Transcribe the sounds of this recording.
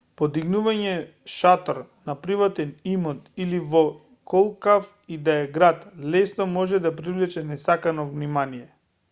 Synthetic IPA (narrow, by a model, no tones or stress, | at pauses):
pod̪iɡnuvaɲɛ | ʃat̪ɔɾnapɾivat̪ɛnimɔt̪ilivɔ | kɔlˠkaf | id̪aɛɡɾat̪lɛsnɔmɔʒɛd̪apɾivlɛt͡ʃɛnɛsakanɔvnimanijɛ